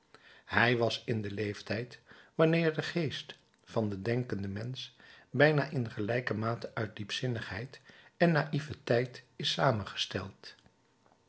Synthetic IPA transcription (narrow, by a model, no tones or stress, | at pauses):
ɦɛjʋɑsɪndəlejftɛjtʋɑnɪːɹdəχejst | fɑndədɛŋkəndəmɛnsbɛjnaːʔɪnχəlɛjkəmaːtəʔœɥt̚dipsɪnəχɦɛjtɛnːaʔivətɛjtɪsaːmənχə̥stɛ̰lˠt